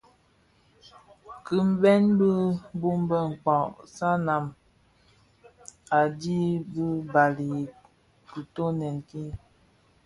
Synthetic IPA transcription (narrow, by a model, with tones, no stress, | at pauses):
ki˨m̩˦bɛ˦nbi˦bu˦mbə˦ŋ̩˨k͡pɔ̃˨ʔsa˦na˨m | a˨di˦bi˦ba˨li˨ | ki˨to˦nɛ˨ŋki˦